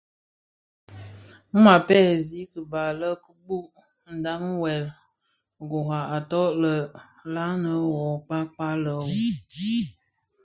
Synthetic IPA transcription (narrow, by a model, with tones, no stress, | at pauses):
ma˨pɛ˦˨zi˦kə˨ba˨lə˦kə˦bu˦ʔ | n̩˨da˦m˦wɛ˨l | ɡo˨ɦa˨a˨tɔ˦ʔlə˨la˦nə˨˦wɔ˨k͡pa˦pa˦lə˨w